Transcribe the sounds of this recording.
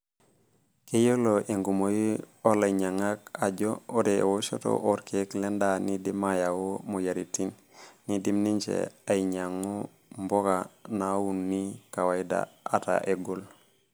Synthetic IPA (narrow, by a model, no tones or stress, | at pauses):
kejoloʔeŋɡumoji | olaɲaŋakaɟooɾewoʃo̰to̰ʔoɾkʰeklendanidimajawomujaɾitinː | idimniɲt͡ʃḛaiɲaŋːu | mbokanawunːikawaida̰ata̰ʔeɡol